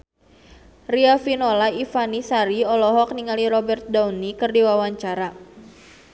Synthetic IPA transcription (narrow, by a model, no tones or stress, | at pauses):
riafinɔlaifanisaɾiɔlɔɦɔk̚niŋaliɾɔbɛrt̪̚daunikɨrdiwawaɲt͡ʃaɾa